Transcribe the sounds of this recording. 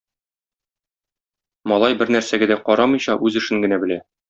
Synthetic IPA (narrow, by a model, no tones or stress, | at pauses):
mɒlˠɑjbɘɾnæɾsæɡæd̪æqɒɾɑmɤ̆jɕɑʔʉzɘ̆ʃɘŋɡɘ̆næbɘ̆læ